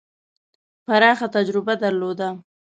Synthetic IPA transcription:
paɾɑxat̪ad͡ʒɾɪbad̪aɾlod̪a

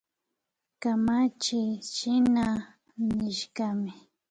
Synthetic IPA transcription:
kamat͡ʃɪʃɪna | nɪʃkɑmɪ

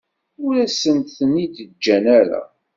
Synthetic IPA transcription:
ʊɾæsːənt̪θənid̪əd͡ʒːænæɾæ̰

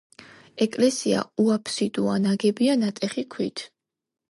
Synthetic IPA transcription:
ɛkʼlɛsia̰uapʰsid̪̥uanaɡɛbianat̪ʼɛχikʰwit̪ʰ

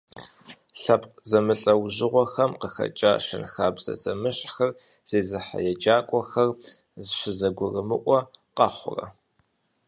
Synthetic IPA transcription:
ɬɐpqzɐmɨɬʼɐwʑɪʁʷɔxɐmqəxɐ̰t͡ʃʼaːʂɨ̰nxaːbz̥ɐ̰zɐmɨɕʼxɐr | z̥eːzɨħa̰jɛd͡ʒaːkʷʼɔxɐr | zɨɕʷɪzɐɡʷʊrɨmɨʔʷʼɔqɑχʷʊ̰rɐ̰

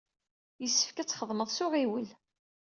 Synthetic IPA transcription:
jəsːə̥fkæt͡sːχəðˤməðˤsʊʁiwəl

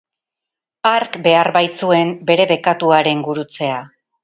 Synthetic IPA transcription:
aɾkbe̞aɾbajt͡sue̞mbe̞ɾe̞βe̞kat̪uaɾe̞ŋɡuɾut͡se̞a

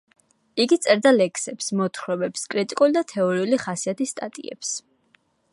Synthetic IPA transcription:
iɡit̪sʼɛɾd̪alɛkʰsɛpsmɔt̪ʰχɾɔbɛpskʼɾit̪ʼikʼulid̪at̪ʰɛɔɾiuliχasiat̪ist̪ʼat̪ʼḭɛ̰ps

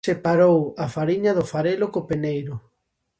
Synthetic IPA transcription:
sepaɾowafaɾiɲɐðʊfaɾelʊkopenejɾʊ

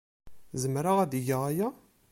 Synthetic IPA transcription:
zəmɾaʁæd̪iʝaʁaja

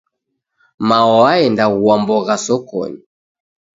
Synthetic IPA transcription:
maɔaɛndaɣuambɔɣasɔkɔ̰ɲi

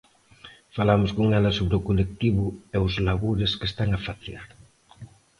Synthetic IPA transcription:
falamʊskoŋɛlɐsoβɾeokolek̚t̪iβʊeʊzlaβuɾeskest̪aŋafaθjaɾ

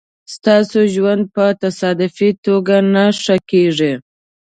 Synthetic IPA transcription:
st̪ɑsoʒwand̪̚pət̪asɑd̪ɪfit̪oɡanaʂəkeʐi

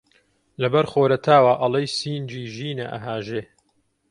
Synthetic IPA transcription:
lɐbɐɾxoːɾɐt̪ʰaːwaʔɐlˠejsiːnd͡ʒiːʒiːnɐʔɐ̰ɦaːʒeː

